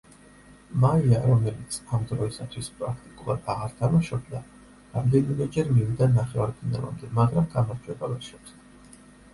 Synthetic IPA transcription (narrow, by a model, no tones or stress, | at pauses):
maiaɾɔmɛlit̪sʰamd̪ɾɔisat̪ʰwispʼɾakʰt̪ʼikʼulˠad̪aʁaɾt̪ʰamaʃɔbd̪a | ɾamd̪ɛnimɛd͡ʒɛɾmivid̪anaχɛvaɾp̪ʰina̰lˠa̰md̪ɛmaɡɾamɡamaɾd͡ʒwɛbavɛʃɛps